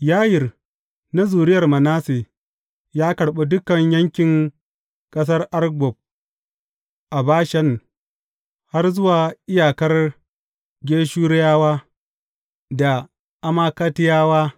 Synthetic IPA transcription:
jaː˦jɪ˨r | na˦zuː˨ɾɪ˦jɐ˨rmɐ˨naː˦se˨ | jaː˦kɐ˨ɽɓe˦dʊ˦kɐ˨ɲjɐ˦ŋkʲɪ˨ŋ | kʼɐ˦s̬ɐ˦rʔa˦rɡʷɔ˨b̚ | ʔa˨baː˦ʃɐ˦n | ha˦rzʊ˦waː˨ʔɪ˦jaː˨kɐ˦r | ɡʲeː˦ʃuː˦ɾɪ˦jaː˦waː˦ | da˨ | ʔa˦maː˦ka˦tɪ˦jaː˦waː˦

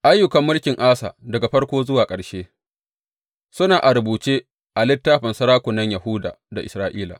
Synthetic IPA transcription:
ʔa˦jːʊ˨kɐ˨mːʊ˦lkʲɪ˨ŋʔaː˦sa̰ː˨dɐ˨ɡa˨ɸɐ˦rkʷoː˦zʊ˦waː˨kʼɐ˨ɽʃeː˦ | sʊ˦naː˨ʔa˨ɾʊ˨buː˨t͡ʃeː˦ | ʔa˨lɪ˦tːaː˦ɸɐ˨nsɐ˦ɾaː˦kʷʊ˨nɐ˦ɲja˨hʊ˦da̰ː˨da˨ʔɪ˨sɾaː˨˦ʔiː˦la̰˨

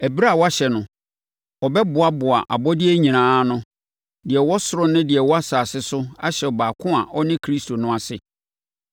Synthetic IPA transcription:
æ˨bi˦ɾa˦˨wɔ˦a˦ɕɛ˨nʊ̃˨ | ɔ˨bɛ˦bʊ˨a˦bʊ˨a̰˨ʔa̰˨bɔ˦dɪ˦ɛ˦ɲĩ˨nãː˦nʊ̃˦ | dɪ˨ɛ˨wɔ˦sʊ˦ɾʊ˦nʊ̃˦dɪ˨ɛ˨wɔ˦a˦saː˨sɪ˦sʊ˦a˦ɕɛ˨ɔ˨baː˨kʰʊ̃˦a˨ʔɔ˦nɪ̃˦kʰɾi˦stʰo˨nʊ̃˦a˨sɪ̰˨

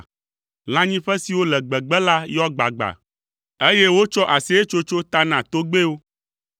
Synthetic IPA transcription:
l̃ã˦ɲĩ˦ɸɛ˦si˨wo˦lɛ˨ɡ͡bɛ˨ɡ͡bɛ˦la˦jɔ˦ɡ͡ba̰˨ɡ͡ba̰˨ | e˦je˦wo˦t͡ʃɔ˦ʔa˨se˦e˦t͡ʃo˦t͡ʃo˦t̪a˦nã˨t̪o˦ɡ͡be˦wo˦

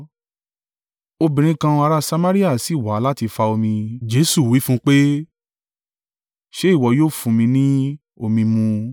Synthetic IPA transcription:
o˧bĩ˨ɾ̃ĩ˧˦kã˧a˧ɾa˦sa˧ma˦ɾi˦a˦˨si˨wa˨˦la˦ti˧fa˧o˧mĩ˧d͡ʒe˨˦su˦˨wi˨˦fũ˦k͡pe˦ | ʃe˦i˦˨wɔ˨˧˦joː˦fũ˧mĩ˧nĩ˦ | o˧mĩ˧mũ˧

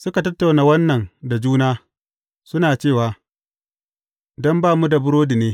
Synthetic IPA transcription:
sʊ˦ka˨tɐ˦tːa˨wnaː˨wɐ˦nːɐ˨nda˨d͡ʒuː˦naː˦ | sʊ˦naː˨t͡ʃeː˦˨waː˨ | dɔ˦mbaː˦˨mu˦da˨bʊ˦ɾoː˦di˨neː˦

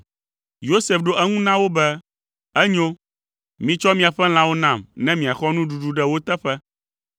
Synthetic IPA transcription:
jo˦se˨fɖo˦ʔɛ˦ŋũ˦nã˦wo˦bɛ˦ | ɛ˦ɲo˦ | mĩ˨t͡ʃɔ˦mĩ˨a˨ɸɛ˦l̃ã˦wo˦nã˨mnɛ̃˦mĩ˨a˨xɔ˦nũ˦ɖu˨ɖu˨ɖɛ˦wo˦t̪ɛ˦ɸɛ˦

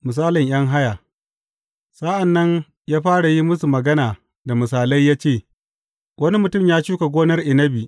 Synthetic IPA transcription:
mʊ˨s̬aː˦lɪ˨ɲj̰ɐ˦ŋɦa˦ja˨ | sa˦ʔa˨nːɐ˦ɲ | jaː˦ɸaː˦ɽa˨ji˦mʊ˦su˨mɐ˨ɡɐ˦naː˨ | da˨mʊ˨s̬aː˨la˦jːaː˦t͡ʃeː˦˨ | wɐ˦ni˦mʊ˨tʊ˦˨mjaː˦t͡ʃuː˦ka˨ɡʷoː˦nɐ˦rʔɪ˨nɐ˦bi˨

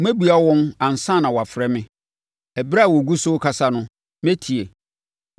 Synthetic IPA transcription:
mɛ̃˦bu˨a˦wɔ̃˦mã˨n̩˨sã˦˨nã˨wɔ˨a˨fɾɛ˦mɪ̃˦ | ɛ˨bɾa˦˨wɔ˨ɡu˦sʊ˦kʰa˦sa˦nʊ̃˦ | mɛ̃˦tʰi˨e˨

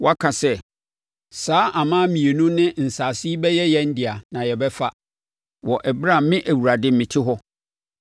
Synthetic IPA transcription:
wɔ˦a˦kʰã˨sɛ˦ | saː˨˦ʔa˨mã˦mĩ˨e˨nũ˦nɪ̃˦n̩˨saː˨si˦i˦bɛ˦jɛ˦jɛ˦n̩˦dɪ˨a˨nã˨jɛ˨bɛ˦fa˦ | wɔ˨ʔɛ˨bɾã˦˨m˦mɪ̃˦ʔæ˨wu˨ɾa˨dɪ˦mɪ̃˨tʰɪ˦ɦɔ˦

